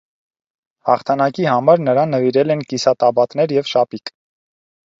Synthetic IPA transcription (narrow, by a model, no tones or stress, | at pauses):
hɑ̰χt̪ʰɑnɑkihɑmɑɾnəɾɑnːəviɾɛlɛnkisɑt̪ɑbɑt̪nɛɾjɛvʃɑpik